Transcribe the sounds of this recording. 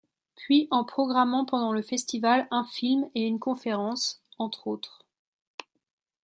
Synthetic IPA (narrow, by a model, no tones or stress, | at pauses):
pɥiʔɑ̃pχɔɡʁamɑ̃pɑ̃d̪ɑ̃ləfɛst̪ivalɛ̃filmeynkɔ̃feʁɑ̃sɑ̃t̪χot̪χ